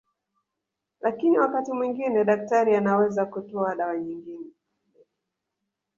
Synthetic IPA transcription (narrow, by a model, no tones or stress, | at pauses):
lʔakiniwakatimwiŋɡinɛɗak̚taɾianawɛzakutɔaɗawaɲiŋɡinɛ